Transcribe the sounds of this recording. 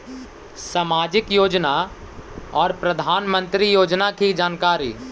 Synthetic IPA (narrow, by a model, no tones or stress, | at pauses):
samaːd͡ʒɪkjoːd͡ʒna | ɔːɾpɾəd̪ʱaːnmə̃nt̪ɾijoːd͡ʒnakid͡ʒaːnkaːɾḭː